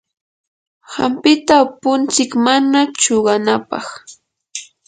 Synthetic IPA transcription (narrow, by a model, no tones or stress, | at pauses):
ha̰mpɪt̪apʊnt͡sɪkmanat͡ʃoɢɑnapɑ̰χ